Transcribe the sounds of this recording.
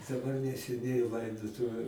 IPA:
dɐˈbɐr nʲɛsʲɛˈnʲɛɪ ˈlˠɐɪdoːtʊʋʲʊ

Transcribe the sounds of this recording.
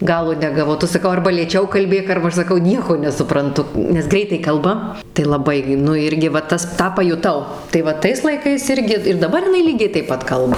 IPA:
ˈɡɑːlˠoː nʲɛɡɐˈʋɐʊ ˈtʊ sɐˈkɐʊ ˈɐrbɐ lʲeːˈt͡ʃʲɛʊ kɐlʲˈbʲeːk ɐrbɐ ˈɐʃ sɐˈkɐʊ ˈnʲiɛkoː nʲɛsʊprɐnˈtʊ nʲɛs ˈɡrʲɛɪtɐɪ ˈkɐlˠbɐ tɐɪ lˠɐˈbɐɪ ɡʲɪ ˈnʊ ˈɪrʲɡʲɪ ʋɐ ˈtɐs ˈtɑː pɐjʊˈtɐʊ tɐɪ ˈʋɐ ˈtɐɪs lˠɐɪˈkɐɪs ˈɪrʲɡʲɪ ɪr dɐˈbɐr jɪˈnɐɪ ˈlʲiːɡʲɛɪ tɐɪp ˈpɐt ˈkɐlˠbɐ

